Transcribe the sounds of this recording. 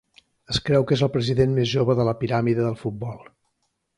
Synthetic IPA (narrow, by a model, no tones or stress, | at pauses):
əskɾɛwkezəlˠpɾəziðenmezʒoβəðələpiɾamiðəðəlˠfut̪̚bɔlˠ